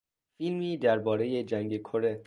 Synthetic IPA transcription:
filmiːd̪æɾbɒːɾe̞je̞d͡ʒæŋɡe̞kʰoɾe̞

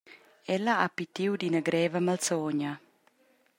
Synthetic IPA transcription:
ɛlːɐapit̪iwd̪inəɡɾɛːvəmalsɔɲa

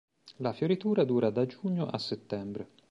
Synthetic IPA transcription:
lafjoɾit̪uːɾad̪uːɾad̪ad͡ʒuɲːoʔa̰sːet̪ːɛmbɾe

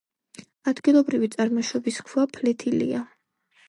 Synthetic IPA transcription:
ad̪ɡilˠɔbɾivit̪sʼaɾmɔʃɔbiskʰwapʰlɛt̪ʰilḭa

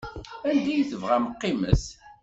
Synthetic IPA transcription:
ænd̪æjiθəvʁæməqːimə̰s

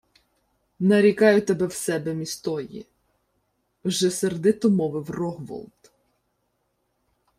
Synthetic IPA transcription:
nɐɾʲikɑjʊt̪ɛbɛwsɛbɛmʲist̪ɔjḭ | wʒɛseɾd̪ɪt̪ɔmɔʋɪwrɔɦʋɔ̰lˠt̪

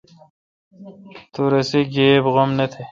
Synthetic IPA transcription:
t̪uɾesiɡeːbɣomnet̪ʰe

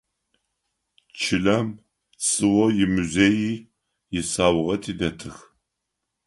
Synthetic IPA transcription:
t͡ʃʰɪlɐm | t͡sʼɨwɔjɪmuzeːjiː | jɪsaːwʁɐtʰiːdɐtʰɨx

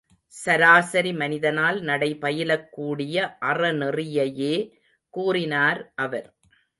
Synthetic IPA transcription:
sɐɾaːsɐɾimɐnɪðɐnaːlnɐɽɐɪpɐjɪlɐkːuːɽɪjɐʔɐrɐnɪrɪjɐjeː | kuːrɪnaːɾʔɐʋɐɾ

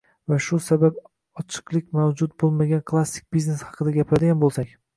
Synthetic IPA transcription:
vaʃʊsabab | ɒt͡ʃʰɨ̥qlˠɪkʲmawd͡ʒʊt̪̚bolˠmaɡʲankʰlˠasːɪ̥k̚ʲb̥izne̞shɑ̥qʰɨd̪aɡʲapʰɾad̪ɪɡʲanbolˠsakʲ

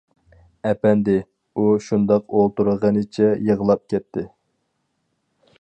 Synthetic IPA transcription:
ɛpɛnd̪ɪ | uʃund̪ɑqolˠt̪uɾəʁənɨt͡ʃʰɛjəʁlˠɑp̚kʲɛt̪ʰːɪ

